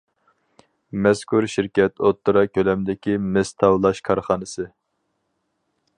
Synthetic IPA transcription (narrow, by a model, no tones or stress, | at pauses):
mɛskʰuɾʃiɾkʲɛt̪ʰot̪ːuɾɑkʲʰølɛmd̪ɪkʲimɪst̪ʰɑwlˠɑʃkʰɑɾχɑːnɨsɨ